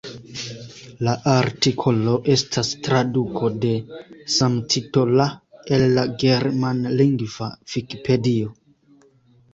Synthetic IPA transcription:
laʔaɾtikʰo̞lo̞ʔe̞stʰastɾadukʰo̞de̞samtʰitolaelːaɡe̞ɾmanliŋɡvav̥iki̥pʰe̞dio

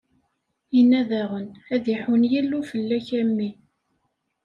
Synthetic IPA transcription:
inæðæʁənæðiħənjilːufəlːæçæmːi

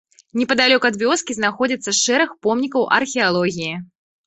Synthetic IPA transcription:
nʲɛpɐd̪alʲɔkɐd̪vʲɔskʲiznaxɔd͡zʲit̪sːɐʂɛɾɨxpɔmnʲikɐwʔɐ̰rxʲɛalˠɔɣʲiji

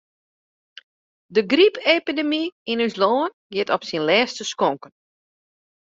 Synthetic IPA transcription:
dəɡripʰepidemiinysloːən | ɡɪtɔpsinlɛːstəskoŋkən

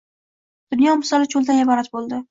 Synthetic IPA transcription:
d̪̥ʊnjɒmɪsɒlɪt͡ʃʰolˠd̪anɪbɒɾat̪̚bolˠd̪ɪ

